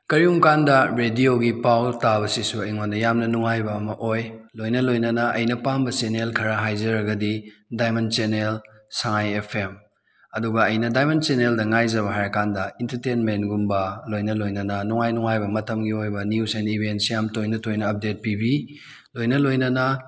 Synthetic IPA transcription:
kɐɾiumkandɐɾedioɡipawtaβɐsisuɐjŋwandɐjamnɐnuŋajbɐːmɐʔojlojnɐlojnɐnɐʔɐ̰jnɐpambɐt͡ʃenelkʰɐɾaɦajzɐɾɐɡɐdidajmɐnt͡ʃenel | sɐŋajepʰem | ɐduɡɐːjnɐdajmɐnt͡ʃeneldɐŋajzɐβɐɦajɾɐkandɐintɐɾtenmentɡumbɐlojnɐlojnɐnɐnuŋajnuŋajbɐmɐtɐmɡiojbɐnjusenibʱentsijamtojnɐtojnɐːp̚det̚pibi | lojnɐlojnɐnɐ

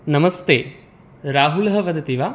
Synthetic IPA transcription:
nɐmɐst̪eː | ɾaːɦulɦɐʋɐd̪ɐt̪iʋaː

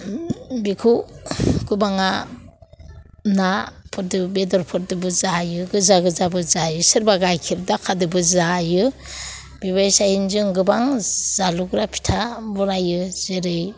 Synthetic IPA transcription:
bikʰu | ɡ̥ɯbaŋa | napʰɔt̚dɯbedɔɾpʰɔt̚dɯbɯzajɯɡɯzaɡɯzabɯzajɯsɯɾbaɡajkʰiɾdakʰadɯbɯzajɯ | b̥iβajsajinzɯŋɡɯbaŋzaluɡɾapʰi̥tʰabɔɾajɯzeɾɯj

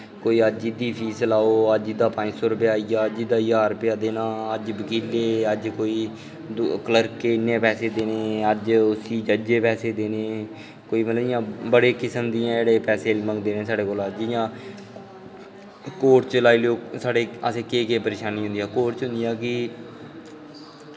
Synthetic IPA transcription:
koːiːəd͡ʒɪd̪iːpʰiːslaːoːəd͡ʒɪd̪aːpãːɲd͡ʒsoːɾəpjaːijaːəd͡ʒɪd̪aːjaːɾpɪjaːd̪eːnãːəd͡ʒbəkiːleːəd͡ʒkoːiː | d̪kələɾkːeːɪnːẽːpɛːseːd̪eːneːəd͡ʒʊsiːd͡ʒəd͡ʒeːpɛːseːd̪eːneː | koːiːmət̪ləɪjãːbəɽeːkɪsəmd̪ɪjãːd͡ʒeːɽeːpɛːseːməŋɡd̪eːnẽːsaːɽeːkoːlad͡ʒjãː | koːʈt͡ʃəlaːiːloːsaːɽeːəsẽːkeːkeːpəɾeːʃaːniːɦʊnd̪ːaːkoːʈt͡ʃɦʊ̃nd̪ijaːkɪ

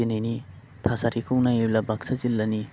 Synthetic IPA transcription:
enijni | tʰasaɾikʰɯwnajeblabak̚sazilːani

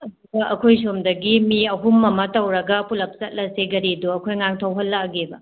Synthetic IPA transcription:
ɐduɡɐʔɐkʰojsomdɐɡimiɐɦumːɐmɐtɐwɾɐɡɐpulɐp̚sɐt̚lɐseɡɐɾiduɐkʰojŋaŋtʰɐwɦɐlːɐɡebɐ̰

